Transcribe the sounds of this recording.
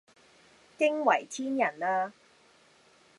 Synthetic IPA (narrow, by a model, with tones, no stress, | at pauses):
kɪ˥ŋwɐ˨˩jt̪ʰiː˥njɐ˨˩nlaː˧